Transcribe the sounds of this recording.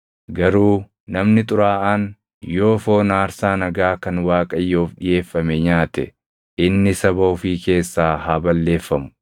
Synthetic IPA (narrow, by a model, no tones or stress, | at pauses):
ɡɐɾuː | nɐmnɪt̪ʼʊɾaːʔaːn | jo̞ːfo̞ːnaːɾsaːnɐɡaːkɐnwaːkʼɐjːoːfᶑɪje̞ːfːɐmɛɲaːt̪ɛ̰ | ʔɪnːɪsɐbɐʊfiːke̞ːsːaːhaːbɐlːe̞ːfːɐmʊ̥